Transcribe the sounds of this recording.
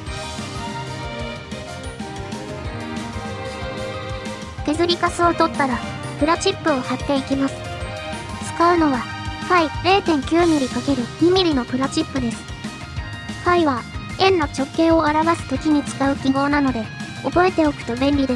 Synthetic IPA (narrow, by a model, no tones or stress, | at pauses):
k̪e̞zɨɾʲikasɨot̪o̞t̪ːaɾa | pɯ̟ɾat͡ɕipːɯ̟o̞hat̪ːe̞ikʲimasɨ̥ | t͡sɨ̥kaɯ̟no̞βa | kaiɾe̞ːt̪ẽ̞ŋkʲɨːmʲiɾʲikake̞ɾɯ̟mimʲiɾʲino̞pɯ̟ɾat͡ɕipːɯ̟d̪e̞sɨ̥ | kaiβa | ẽ̞nːot͡ɕo̞kːẽ̞ːo̞aɾaβasɨ̥t̪o̞kʲiɲ̟it͡sɨ̥kaɯ̟kʲiɡo̞ːnano̞d̪e̞ | o̞bo̞e̞t̪e̞o̞kɯ̟̥t̪o̞bẽ̞mbʲid̪e